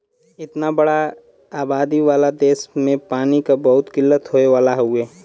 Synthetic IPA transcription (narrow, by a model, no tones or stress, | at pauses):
ɪt̪nabɐɽa | aːbaːd̪iʋaːlad̪eːsmẽpaːnikabɐɦʊt̪kɪlːət̪ɦoːeʋaːlaɦoeː